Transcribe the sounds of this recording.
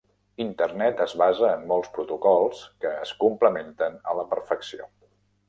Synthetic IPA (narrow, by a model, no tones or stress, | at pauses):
int̪ərnɛt̪əzβazəːnːɔlˠspɾut̪ukɔlˠskəːskumpləment̪ənələpəɾfəksio̰